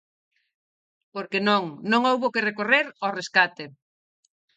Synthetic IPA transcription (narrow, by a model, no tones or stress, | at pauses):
poɾkenõŋnõŋowβokɪrekoreɾɔreskat̪e